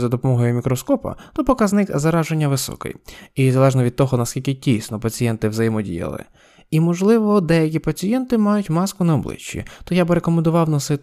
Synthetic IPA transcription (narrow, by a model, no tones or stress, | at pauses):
zɐd̪ɔpɔmɔɦɔjʊmʲikɾɔskɔpɐ̰t̪ɔpɔkɐznɪkzɐɾɑʒenʲːɐʋɪsɔ̰kɪ̰jizɐlˠɛʒnɔʋʲid̪̚t̪ɔɦɔnɐskʲilʲkʲɪtʲijsnɔpɐt͡sʲijɛnt̪ɪwzɐjimɔdʲḭjɐ̰lˠɪ̰ | imɔʒlˠɪʋɔd̪ɛjɐk̬ʲipɐt͡sʲijɛnt̪ɪmɑjʊtʲmɑskʊnɐɔblˠɪ̰t͡ʃːḭt̪ɔjabɾekɔmẽnd̪ʊʋɑwnɔsɪ